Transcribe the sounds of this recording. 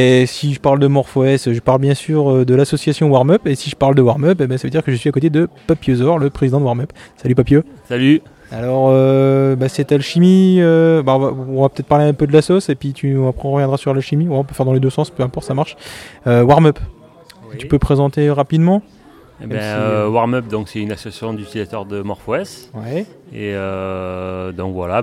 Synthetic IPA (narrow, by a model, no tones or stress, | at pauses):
esiʒəpaʁld̪əmɔʁfɔɛsøʒəpaʁlbjɛ̃syʁød̪əlasɔsjasjɔ̃waʁmœpesiʒəpaʁld̪əwaʁmœpebɛ̃savəd̪iʁkəʒəsɥiakot̪ed̪əpapjøzɔʁləpχezid̪ɑ̃d̪waʁmœpsalypapjøsaly | alɔʁøbasɛt̪alʃimiøbaɔ̃vaɔ̃vapø̥t̪ɛt̪̚paʁleɛ̃pød̪əlasɔsepɥit̪ʰyɔ̃apχɛɔ̃ʁəvjɛ̃d̪ʁasyʁlaʃimiwɛɔ̃pøfɛʁd̪ɑ̃led̪øsɑ̃spøɛ̃pɔʁt̪samaʁʃøwaʁmœp | t̪ypøpχezɑ̃t̪eʁapid̪mɑ̃ | ebɛ̃øwaʁmœp̚d̪ɔ̃ksɛynasɔsjɔ̃d̪ysilat̪œʁd̪əmɔʁfɔɛswɛ | ḛø | d̪ɔ̃kvwa̰la